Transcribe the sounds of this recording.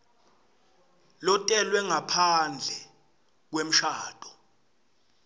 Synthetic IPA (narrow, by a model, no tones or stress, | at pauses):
lɔtʼɛlwɛŋapʰand͡ɮʱɛ | k̬wem̩ʃaːtʼɔ̥